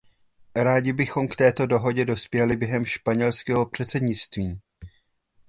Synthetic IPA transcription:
ɾaːɟɪbɪxo̞mkt̪ɛːt̪o̞do̞ɦo̞ɟɛdo̞spjɛlɪbjɛɦɛmʃpaɲɛlskɛːɦo̞pr̝̥ɛt̪t͡sɛdɲɪt͡st̪viː

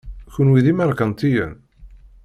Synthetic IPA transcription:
çunwiðimæɾˤkənt̪ijæ̰n

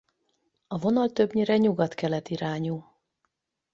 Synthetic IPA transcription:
ɒvo̞nɒlt̪ø̞bɲiɾɛɲuɡɒt̪kɛlɛt̪iɾaːɲu

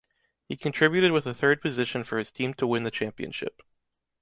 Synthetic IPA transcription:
hikʰɨ̃ntʰɹ̥ɪbjʉɾɨd̚wɨðəθɜ˞d̚pʰɨzɪʃɨ̃nfə˞ɨz̥tʰĩmtʰəwɪ̃nðɨt͡ʃʰæ̃mpiɨ̰̃nʃɪ̰p

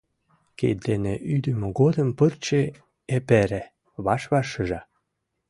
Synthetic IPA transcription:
kḛd̪eneʔyd̪ə̆møɣod̪əmpərt͡ɕe | epeɾe | βɑʃβɑʃəʒɑ

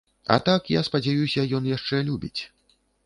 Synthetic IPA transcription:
ɐ̰t̪akjaspɐd͡zʲajusʲɐjɔnjaʂt͡ʂɛlʲubʲit͡sʲ

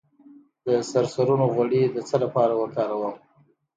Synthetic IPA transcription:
d̪̥əsaɾsaɾunoɣwaɽid̪ət͡səlapɑɾawəkɑɾawəm

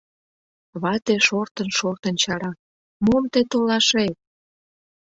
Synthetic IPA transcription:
βɑt̪eʃort̪ənʃort̪ənt͡ɕɑɾɑ | momt̪et̪olɑʃej̚

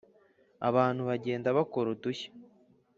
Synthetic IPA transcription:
a̰βaːn̥huβaɟe̞ːndaβakoɾutuçḁ

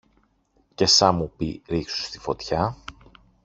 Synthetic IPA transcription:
ce̞sɐmupiɾiksu̥st̪i̥fo̞t̪çɐ

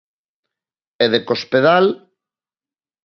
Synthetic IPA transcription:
eðekospeðal

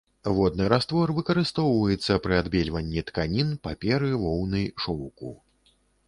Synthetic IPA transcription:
vɔd̪nɨɾast̪vɔrvɨkɐɾɨst̪ɔwvɐjɛt̪sːɐpɾɨad̪bʲɛlʲvɐnʲːit̪kanʲinpapʲɛɾɨvɔwnɨjʂɔwkṵ

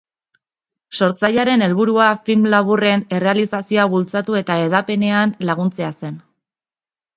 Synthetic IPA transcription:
so̞ɾt͡sajaɾe̞ne̞lβuɾuafilmlaβ̞ure̞ne̞re̞alisasioaβult͡sat̪ue̞t̪aeðape̞ne̞anlaɣunt͡se̞ase̞n

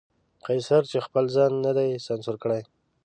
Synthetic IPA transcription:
qajsaɾt͡ʃexpəlzɑnːad̪ajsansʊɾkəɽaj

